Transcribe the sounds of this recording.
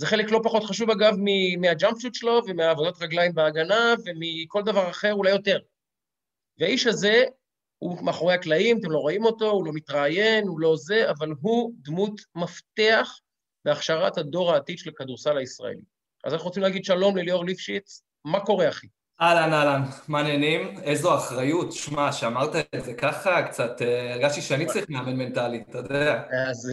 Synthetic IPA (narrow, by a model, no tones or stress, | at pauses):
zeχe̞le̞klo̞paχo̞t̪χaʃuvaɡavmimiad͡ʒampʃut̪ʃelo̞vemeaːvo̞datʁaɡlajimbeaɡanave̞miko̞ld̪avaʁaχe̞ʁulajo̞te̞ʁ | veaiʃaze̞ | humeaχo̞ʁe̞haklaimat̪̬emlo̞ʁoimo̞to̞ulo̞mit̪ʁaːje̞nulo̞ze̞ʔavalɦud̪mut̪mafte̞aχ | be̞aχʃaʁathado̞ʁaːt̪idʃelakaduʁsalaisʁa̰ḛlḭ | ʔazanaχuʁt͡simlaːɡidʃalo̞mlelioʁlifʃit͡s | mako̞ʁe̞aχi | ʔalanalanmanenimezoaχʁajut̪ʃmaʃeamaʁt̪aezekaχakt͡sat̪eeʁɡaʃtiʃeaniaʁiχmeamenmentalit̪od̪eaaz